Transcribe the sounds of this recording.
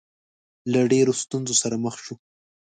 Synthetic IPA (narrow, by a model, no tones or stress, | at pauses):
laɖeɾost̪unzosaɾaməxʃu